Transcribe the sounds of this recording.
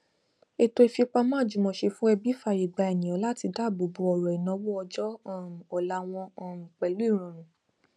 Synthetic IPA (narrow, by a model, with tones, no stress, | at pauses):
e˧to˧e˧fi˧k͡pa˧mãː˦˨d͡ʒu˨mɔ̃˧˨ʃe˧fũ˦ɛ˧bi˦fa˨ji˨ɡ͡ba˧ɛ˨nĩ˨ɔ̃˨˦la˦ti˧da˦˨bu˨bu˨˧ɔ˨ɾɔ˨i˨nã˨˧˦wɔ˦ɔ˧d͡ʒɔ˦˨m˨ɔ˨la˨˦w̃ɔ̃˧˨m̩˨k͡pɛ˨lu˨˦i˦˨ɾ̃ɔ̃˨ɾ̃ũ˨